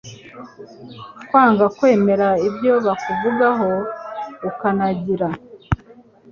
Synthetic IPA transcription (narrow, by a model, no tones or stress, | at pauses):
kwaːŋɡakwe̞ːme̞ɾaibjo̞βakuvuɡaɦo̞ukanaɟiɾa